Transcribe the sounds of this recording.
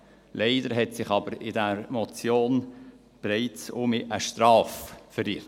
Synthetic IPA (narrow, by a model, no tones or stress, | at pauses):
leɪdəɾɦɛtsɪχɑbəɾɪdæɾmɔt͡sjoːn | b̥ɛɾɛɪt͡sʊmiʔəʃtrɑːffəɾiːɾ